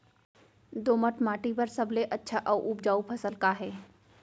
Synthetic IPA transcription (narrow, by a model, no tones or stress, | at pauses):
d̪oːməʈmaːʈipɐɾsɐbleʔɐtːʃʰaʔɔːʔup̚d͡ʒaːupʰɐsəlkaɦɛː